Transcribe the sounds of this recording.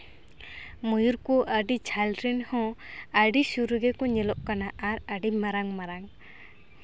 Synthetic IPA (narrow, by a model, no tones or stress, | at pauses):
mujuɾkɔʔəɖit͡ʃʰalɾinhɔ̃aɖisuɾuɡɛkɔɲɛlɔʔkanaʔaɾaɖimaɾaŋmaɾaŋ